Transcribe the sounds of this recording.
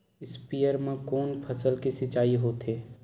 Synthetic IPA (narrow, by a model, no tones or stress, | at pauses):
ɪspijəɾmẽkɔːnpʰɐsəlkisɪt͡ʃaːiɦoːt̪ɦeː